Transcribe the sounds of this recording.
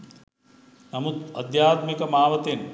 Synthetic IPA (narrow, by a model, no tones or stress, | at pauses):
nɐmud̪̚ɐd̪jaːt̪mikɐmaːʋɐt̪en